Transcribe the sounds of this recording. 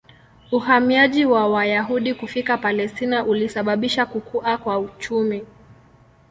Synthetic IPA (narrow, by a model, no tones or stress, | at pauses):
uhamiaʄiwawajaɦuɗikufikapalɛstinaʔulisaɓaɓiʃakukuʔakwaut͡ʃumi